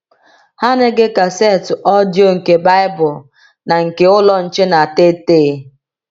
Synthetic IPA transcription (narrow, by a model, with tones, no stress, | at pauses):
ha˦ne˦ɡɪ˦ka˨se˦˨tʊ˨ʔɔ˦djo˦ŋ̩˨ke˨ba˦ɪ˦bʊ˨l | na˨ŋ̩˨ke˦ʊ˦lɔ˦n̩˨t͡ʃe˦na˨te˦teː˦˨˦